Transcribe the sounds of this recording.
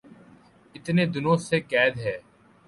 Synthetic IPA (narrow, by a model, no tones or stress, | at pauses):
ɪt̪neːd̪ʊnõːsekɛːd̪ɦɛː